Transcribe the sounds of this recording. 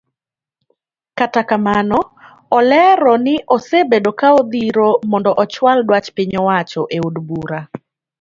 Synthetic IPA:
katakamanɔ | ɔlɛɾɔnɪʔɔsebedokaod̪iɾomɔndɔʔɔt͡ʃwaldwat͡ʃpɪɲɔwat͡ʃɔʔeudbuɾa

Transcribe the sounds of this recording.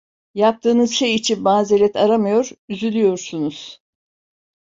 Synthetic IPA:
jap̚t̪ʰɯːnɯzʃe̞jit͡ʃʰinmaːzelʲɛt̪ʰaɾamajo̞ɾ̥yzylʲyjo̞ɾsunuz̥

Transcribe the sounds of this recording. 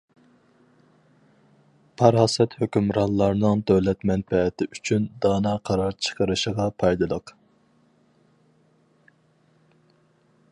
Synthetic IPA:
pʰɑɾɑːsɛt̪høkʲymɾɑnlˠɑɾnɨŋd̪øwlɛt̪mɛnpɛɛt̪ʰɪyt͡ʃʰynd̪ɑːnɑqʰɑɾɑɾt͡ʃʰə̥qʰəɾɨʃəʁɑpʰɑjd̪ɨlˠəq

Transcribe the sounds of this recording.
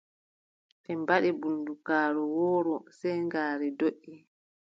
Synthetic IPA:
ɓɛmbaɗɛbundukaːɾɔwɔːɾɔsɛjŋɡaːɾɛdoʔːi

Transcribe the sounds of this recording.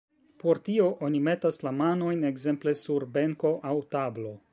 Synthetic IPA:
po̞ɾtio̞ʔo̞nime̞taslamano̞jne̞ɡze̞mple̞suɾbeŋko̞ʔawtablo̞

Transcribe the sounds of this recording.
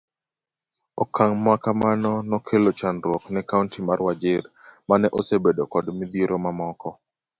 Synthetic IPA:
ɔkʰaŋmwakamanɔnɔkʰelot͡ʃanɾwɔknɛkauntimarwad͡ʒɪɾmanɛʔosebedokɔdmibieɾomamɔkɔ

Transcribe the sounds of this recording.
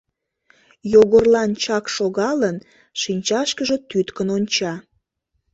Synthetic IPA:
joɣərlɑnt͡ɕɑkʃoɣɑlən | ʃinʲt͡ɕɑʃkəʒe̽t̪yt̪kənonʲt͡ɕɑ

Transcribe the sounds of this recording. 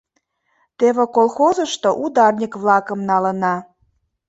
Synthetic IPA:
t̪eβekolˠxozəʃt̪oʔud̪ɑrnʲikβlɑkəmnɑlənɑ

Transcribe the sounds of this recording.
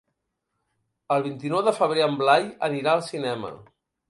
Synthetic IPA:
əlˠβ̞int̪inɔwðəfəβ̞ɾeəmblajəniɾaəlˠsinɛmə̰

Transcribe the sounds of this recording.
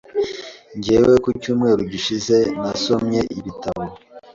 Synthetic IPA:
ɲɟeːwekucuːmŋe̞ːɾuɟiʃize̞naso̞mɲe̞ʔiβitaβo

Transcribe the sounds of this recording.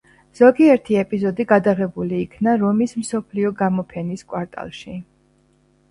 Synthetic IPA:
z̥ɔɡiɛɾt̪ʰiɛpʼizɔd̪iɡad̪aʁɛbuliːkʰnaɾɔmismsɔpʰliɔɡamɔpʰɛniskʼwaɾt̪ʼa̰lˠʃi

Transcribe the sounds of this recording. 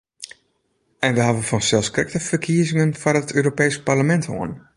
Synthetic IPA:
ɛnʋəɦavənfɔnsɛlˠskrɪk̚təfərkʰiəzɪŋənfarətʰøːɾopɛjsparləmɛntho̰ən

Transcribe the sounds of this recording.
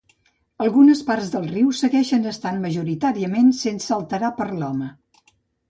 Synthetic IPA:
əlˠɣunəsparzðəlˠriwsəɣɛʃənəst̪anməʒuɾit̪aɾiəmensensəəlˠt̪əɾapəɾlɔmə

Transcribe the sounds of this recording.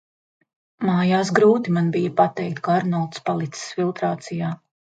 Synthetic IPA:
maːjaːs̬ɡɾuːt̪imanbijɐpat̪ɛjk̚t̪kaɾnɔlˠt̪spalˠit̪ssfilˠt̪ɾaːt̪sijaː

